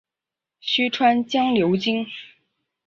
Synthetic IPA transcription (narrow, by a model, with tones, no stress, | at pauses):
ɕy˥ʈ͡ʂʰwa˥nt͡ɕjɑ˥ŋljo˧˥ʊt͡ɕi˥ŋ